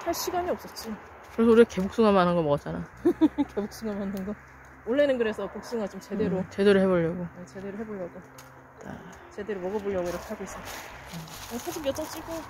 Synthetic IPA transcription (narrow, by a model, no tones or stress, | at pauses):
haɭɕʰiɡaɲiʌp̚s͈ʌt̚t͡ɕ͈i | kɯɾes̬ʰʌuɾiake̞buk̚s͈uŋɦamanɦanɡʌmʌat͡ɕ͈anajke̞buk̚s͈uŋamanɦanɡʌ | oɭːenɯnkɯɾe̞sʰʌpok̚s͈uŋat͡ɕomt͡ɕe̞de̞ɾot͡ɕe̞deɾɯɭhe̞boʎːʌɡoet͡ɕe̞de̞ɾoɦe̞boʎjʌɡo | ta̰ | t͡ɕe̞de̞ɾomʌɡʌboʎːʌɡoiɾʌkʰeɦaɡois͈ʌtaesʰad͡ʑomjʌt͡ɕ͈ʌŋt͡ɕ͈iɡo